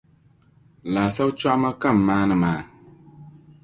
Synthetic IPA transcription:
laː˨sa˦wt͡ʃa˦ʔma˦ka˦˨mː˨aː˦nɨ˨maː˨

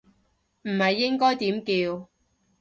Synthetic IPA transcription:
m̩˨˩hɐ˨jːɪ˥ŋkɔː˥jt̪iː˨˥mkiː˧w

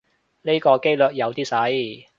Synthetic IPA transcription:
ne˥kɔː˧ke˥jlɵː˨t̚jɐ˨˧wt̪iː˥sɐ˨˥j

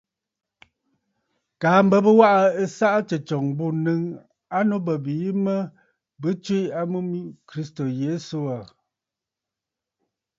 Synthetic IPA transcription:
kaː˨˦m̩˦bə˦bə˦wa˦ʔa˦ə˦sa˦ʔt͡ʃə˨t͡ʃɔ˨ŋbu˦˨nɨ˦ŋ | a˦no˦bə˨bi˨˦mə˦ | bɨ˦t͡ʃwi˦a˦mu˦mi˦kɾi˦sto˨je˨˦so˦a˨

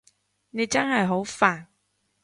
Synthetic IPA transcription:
ne˨˧jt͡sɐ˥nhɐ˨jɦo˨˥wfaː˨˩n

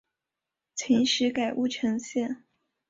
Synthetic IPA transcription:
t͡sʰi˧˥ŋʂɻ̩˧˥ka˨˩ɪʔu˥˩ʈ͡ʂʰɤ˧˥ŋɕjɛ˥˩n

